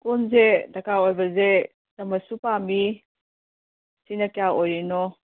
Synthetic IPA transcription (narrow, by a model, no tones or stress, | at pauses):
kunzedɐkaojbɐze | tɐmɐsupami | sinɐkjaojɾinɔ